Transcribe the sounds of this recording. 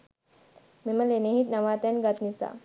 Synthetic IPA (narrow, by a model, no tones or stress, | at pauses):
meməleneɦit̪̚naʋat̪anɡat̪nisa̰